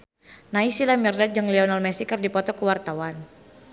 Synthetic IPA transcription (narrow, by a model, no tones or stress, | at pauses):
naisilamirdat̪̚d͡ʒaŋliɔnalmɛsikɨrdipɔt̪ɔkəwart̪awan